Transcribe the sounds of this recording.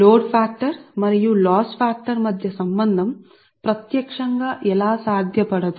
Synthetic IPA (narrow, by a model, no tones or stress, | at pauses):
ɾoːɖpʰaːk̚ʈɐɾmɐɾijulaːspʰaːk̚ʈɐɾmɐd̪ʱjɐsɐmbɐnd̪ʱɐm | pɾɐt̪jɐkʂɐŋɡaːʔɛlaːsaːd̪ʱjɐpɐɽɐd̪u